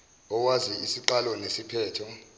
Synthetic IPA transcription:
ɔkwaziisiǃalɔnesipʰɛːtʰɔ

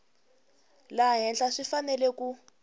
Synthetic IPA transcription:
laɦɛnɬaʂifanɛlɛku

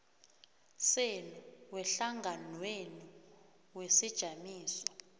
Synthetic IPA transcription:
senuwɛɬaŋɡʱanweni | wesid̥ʒ̥ʱamiːsɔ̥

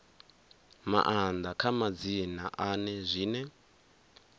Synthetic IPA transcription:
ma̰ʔand̪akʰamad͡zinaʔanɛzʷiːnɛ

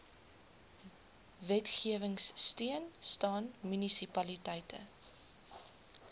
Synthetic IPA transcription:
vɛtχiəvəŋsːtiənstɑːnmynisipɐlitɐjtʰə̰

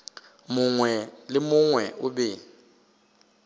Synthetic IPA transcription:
mʊŋwɛlɪmʊŋwɛʔʊbɛ

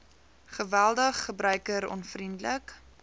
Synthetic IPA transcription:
χəvælˠdəχːəbrœɥkəɾɔ̰nfrindlək

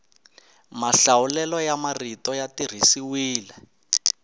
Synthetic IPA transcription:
maɬawulɛlɔjamaritɔjatir̤isiwiːlɛ

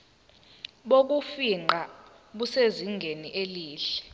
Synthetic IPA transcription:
ɓok̬ufiŋ͡ǃa | ɓuseziŋɡʱeniʔeliːɬɛ̥

